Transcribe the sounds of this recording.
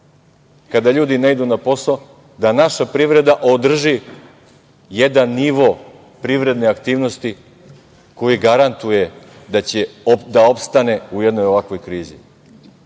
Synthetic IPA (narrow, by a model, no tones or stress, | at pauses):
kad̪aʎuːd̪inaid̪unapo̞so | d̪anaʃapɾiʋɾe̞d̪aʔod̪r̩ʒi | jed̪anːiʋo | pɾiʋɾe̞d̪neakt̪iːʋno̞st̪i | ko̞jiɡaɾant̪ujed̪at͡ɕed̪ao̞pst̪ane̞ujed̪no̞jo̞ʋakʋo̞jkɾiːzḭ